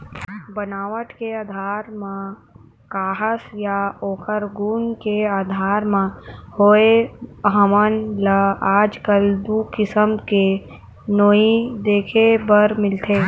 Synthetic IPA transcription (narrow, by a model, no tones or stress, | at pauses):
bənaːʋəʈkeaːd̪ʱaːɾmã | kaːɦəsjaoːkʰəɾɡuːnkeaːd̪ʱaːɾmãhoːeɦəmənləaːd͡ʒkəld̪ukɪsəmke | noːid̪eːkʰebəɾmɪlt̪ʰeː